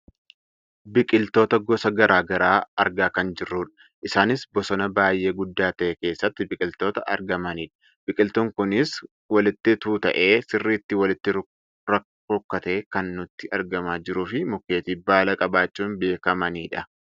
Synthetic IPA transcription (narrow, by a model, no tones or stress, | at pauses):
bɪkʼɪlt̪o̞ːt̪ɐɡɔsɐɡɐɾaːɡɐɾaːɐɾɡaːkɐnd͡ʒɪrːuːᶑɐ̥ | ʔɪsaːnɪsbɔsɔnɐbaːjʔe̞ːɡʊd̪ːaːt̪ɐʔɛke̞ːsːɐt̪ːɪbɪkʼɪlt̪o̞ːt̪ɐʔɐ̰ɾɡɐmɐniːᶑɐ̥ | b̥ɪkʼɪlt̪ʊŋkʊnɪs | wɐlɪt̪ːɪt̪uːt̪ɐ̰ʔe̞ːsɪrːiːt̪ːɪwɐlɪt̪ːɪ | ɾɐ | ɾʊkːɐt̪e̞ːkɐnːʊt̪ːɪɐɾɡɐmaːd͡ʒɪɾuːfɪmʊkːe̞ːt̪iːbaːlɐkʼɐbaːt͡ʃːuːnbe̞ːkɐmɐniːᶑɐ